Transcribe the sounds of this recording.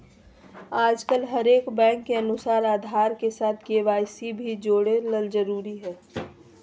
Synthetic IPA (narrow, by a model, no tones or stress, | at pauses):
aːd͡ʒkəlɦəɾeːkbɛ̃ːŋkːeənʊsaːɾaːd̪ʱaːɾkesaːt̪̚ʰkeʋaːjsibʱid͡ʒoːɽeləld͡ʒəɾuːɾiɦɛː